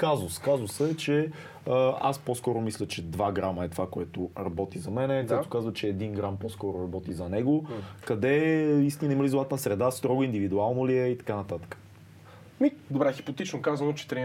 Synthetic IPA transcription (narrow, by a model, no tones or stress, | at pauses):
kazoskazosɛt͡ʃɛ | əa̰sposkɔɾʊmislʲət͡ʃɛd̪vaɡɾaməɛt̪ovakoɛt̪ʊɾɐbɔt̪izɐmɛnɛk̪ɛt̪ʊ̥kazvət͡ʃɛːd̪inɡɾampɔskɔɾʊɾɐbɔt̪izɐnɛɡʊkɐd̪ɛist̪inəimɐlizlˠat̪nəsɾɛd̪ast̪ɾɔɡʊind̪ivid̪ualˠnoliɛit̪ɐ̥kanɐt̪at̪ə̥kə̥ | mid̪obɾɛxi̥pot̪it͡ʃnokazvɐnot͡ʃɛ̥t̪ɾi